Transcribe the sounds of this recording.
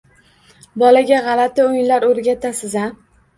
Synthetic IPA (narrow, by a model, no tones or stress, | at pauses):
bɒlaɡʲaʁɑlat̪ɪʊjɪnlaɾɵɾɡʲat̪ʰasɪza